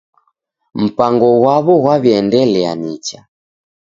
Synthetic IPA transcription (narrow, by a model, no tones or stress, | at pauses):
m̩paŋɡɔɣwaβɔɣwaβiɛndɛlɛa̰nit͡ʃa